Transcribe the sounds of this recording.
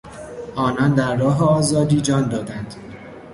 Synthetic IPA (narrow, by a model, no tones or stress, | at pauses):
ɒːnɒːnd̪æɾːɒːɦeɒːzɒːd̪iːd͡ʒɒːnd̪ɒːd̪ænd̪̥